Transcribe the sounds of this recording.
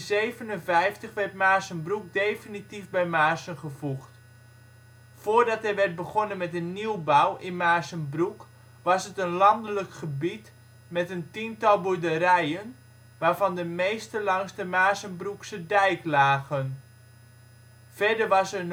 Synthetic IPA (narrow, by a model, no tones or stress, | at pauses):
zejvənənvɛjftəχʋɛrtmaːsənbruk̚dejfinitifbɛjmaːsənχəvuxt | foːrdɑtɦɛjʋɛrt̚bəɣonənmɛtənːiwbawʔɪnmaːsənbruk | ʋɑsətənlɑndələkχəbit | mɛtəntintɑlˠbudəɾɛjən | ʋaːɹvɑndəmejstəlɑŋstəmaːsənbruksədɛjklaːɣən | fɛdərʋɑsən